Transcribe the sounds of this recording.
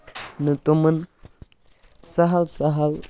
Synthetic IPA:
nətumən | saɦalsaɦal

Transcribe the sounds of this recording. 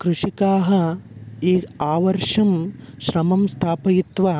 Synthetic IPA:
kɾuʂikaːɦɐ̆eːkaːʋɐɾʂɐmʃɾɐmɐmst̪ʰaːpɐjit̪ʋaː

